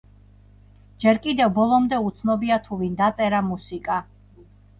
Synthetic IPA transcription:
d͡ʒɛɾkʼid̪ɛvbɔlˠɔmd̪ɛut̪sʰnɔbiat̪ʰuvind̪at̪sʼɛɾamusikʼa

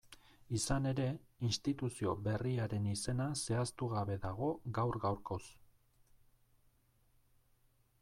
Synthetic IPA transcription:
isane̞ɾe̞inst̪it̪usio̞βe̞riaɾe̞nise̞nase̞ast̪uɣaβe̞ðaɣ̞o̞ɡawɾɣawɾko̞s

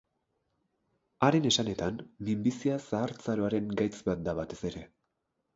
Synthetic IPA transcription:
aɾe̞ne̞sane̞t̪anmimbisiasaːɾt͡saɾo̞aɾe̞ŋɡajt͡sbat̪̚d̪aβat̪e̞se̞ɾe̞

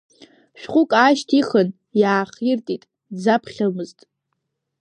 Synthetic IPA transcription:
ʃᶣχʷʊkʼaʃtʰiχən | jaːχirtʼitʼ | d͡zapʰχʲalmɨztʼ

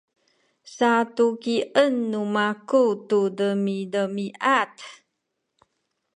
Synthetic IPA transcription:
satukiʔənːumakutudəmidəmiʔat

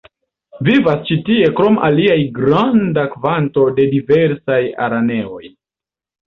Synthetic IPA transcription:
vivast͡ʃitie̞kɾo̞mʔa̰liajɡɾandakvanto̞de̞dive̞ɾsaja̰ɾane̞o̞̰j

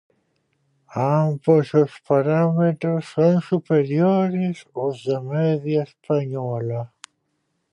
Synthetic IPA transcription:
ambozʊspaɾamet̪ɾosːoŋsupeɾjoɾɪsʊzðamɛðjaespaɲɔlɐ

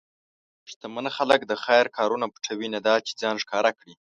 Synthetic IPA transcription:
ʂt̪amənxaləkd̪əxajɾkʰɑɾunapə̥ʈ͡ʂʰawinad̪ɑt͡ʃe̥d͡zɑnʂkɑɾakɽi

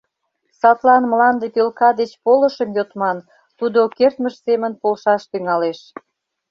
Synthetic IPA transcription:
sɑt̪lɑnməlɑnd̪epelkɑd̪et͡ɕpolə̆ʃəmjot̪mɑn | t̪ud̪okert̪məʃsemənpolʃɑʃt̪yŋɑleʃ

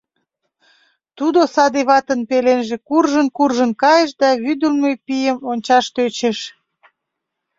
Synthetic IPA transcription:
t̪ud̪osɑd̪iβɑt̪ənpelenʒekurʒənkurʒənkɑjəʃd̪ɑβyd̪əlmepijəmonʲt͡ɕɑʃt̪øt͡ɕeʃ

